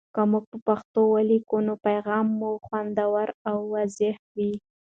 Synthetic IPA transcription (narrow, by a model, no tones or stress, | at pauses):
kəmuɡ̚pəpaxt̪owalikunopajɣɑmːuxwand̪awaɾawːazɪhwi